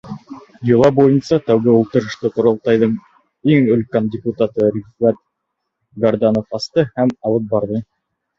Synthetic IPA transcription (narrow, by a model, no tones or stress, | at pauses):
jɤ̆lˠɑbujɤnsɑt̪æwɡɘulˠt̪ɤ̆ɾɤ̆ʃt̪ɤqŏɾŏlˠt̪ɑjðɤɴ | iŋɵ̆lkændʲɪput̪at̪ɤɾʲifɑt̪̚ | ɡɐɾd̪anofɑst̪ɤhæmɑlˠɤp̚bɑɾðɤ